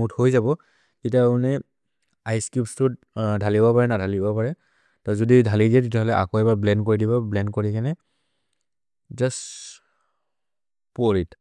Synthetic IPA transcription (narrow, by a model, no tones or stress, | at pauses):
uthojzabɔ | kitaunɛ | ajskjupstʊt | dʱalibɔpaɹɛnadʱalibɔpaɹɛ | tazɔdidʱalidijɛtitɛɦɔlɛʔa̰koɛbablɛnkoɹidibɔblɛnkoɹikanɛ | zas | poɹit